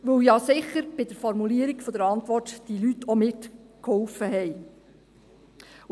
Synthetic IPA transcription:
ʋɵwjɑsɪχəɾb̥ɪd̥əɾfɔɾmuliəɾikfɔd̥̪əɾɑnt̪ʋɔrtd̥ilytɔmɪtkhɔlfəɦɛɪ

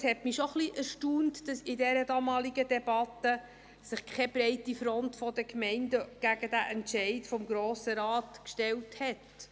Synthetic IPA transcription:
shɛtmiʃoχliʔæɾʃtuːntd̥ɑsɪdɛɾədɑmɑːliɡədɛbɑtə | sɪχkʰɛb̥ɾɛɪtifɾɔntfɔdəkmɛɪndəɡ̥æɡədæʔɛntʃɛɪtfɔmɡɾoːsəɾɑːtkʃtɛlthɛt

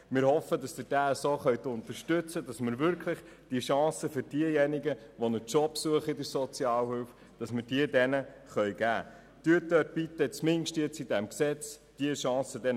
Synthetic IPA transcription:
mɪːɾhɔfədɑsd̥̪əd̥æːsoːχœɥt̪ʊnt̪əɾʃtɵt͡səd̥ɑsməɾvʏɾkʰləχ | d̥iəʃɑ̃ːsəføɾd̥iəjɛniɡəʋɔnət͡ʃɔpsuəχəidəɾsɔt͡sjɑːlhʏlf | d̥ɑsməɾdiədɛnəχœjɡ̥æː | d̥yət̪øt̚pit̪ːət͡smɪŋʃtiət͡sidɛmksɛt͡sd̥iəʃɑ̃ːsədɛn

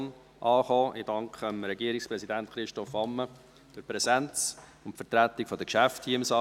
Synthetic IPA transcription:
n | ʔɑːχɔːʔɪ̰d̥ɑŋkχəəmɾɛɡiəɾikspɾɛsidæntχɾɪʃtɔfɑmːə | d̥ʊpɾɛsænt͡s | ʊnfəɾtɾæt̪ikfɔd̪əkʃæfthiəɪmsɑ

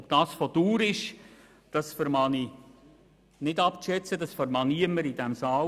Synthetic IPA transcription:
ɔb̚d̥ɑːsfoduːɾɪʃ | d̥ɑsfəɾmɑni | nɪdɑpʃɛt͡sədɑsfəɾmɑniəmːəɾid̥æmsɑː

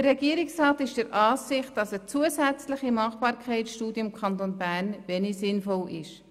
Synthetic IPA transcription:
ərːɛɡiəɾɪksrɑːt̪ɪʃd̥əɾʔɑːsɪχt̚d̥ɑsət͡suəsæt͡slɪχimɑχbɑːɾkʰɛɪsʃtuːdjɪmkʰχɑnt̪onbærnvɛnisɪnfɔlɪʃ

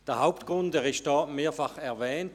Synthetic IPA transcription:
d̥eːɐhaʊptɡ̥ʁʊndɛːʁɪst̚d̥ɑːmeːɐfaχɛɐvɛːnt

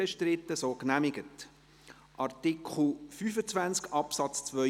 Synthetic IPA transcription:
ɛʃtɾɪtːəsoːknæmɪɡət | ʔɑɾtɪkχl̩fyːfət͡svænt͡skɑpsɑt͡st͡sʋœ

